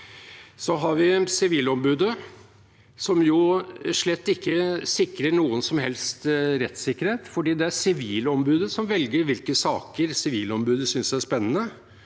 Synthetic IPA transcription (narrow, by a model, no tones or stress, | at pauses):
sɔɦɑɾʋɪsɪʋiːlɔmbʉːd̪ə | sɔmjʊʂɭɛt̪ːɪkːəsɪkɾəɳuːənsɔmɦɛlst̪ɾɛt̪sɪkːəɾheːt̪fɔɖiːd̪ɛæɾsɪʋiːlɔmbʉːd̪əsɔmʋɛlɡəɾʋɪlkəsɑːkəɾsɪʋiːlɔmbʉːd̪əsʏnsæʂpɛnːənə